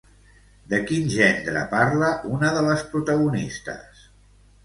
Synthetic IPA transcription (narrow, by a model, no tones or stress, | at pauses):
d̪əkinʒɛnd̪ɾə̰paɾləʔunəðələspɾut̪əɣ̞unist̪ə̰s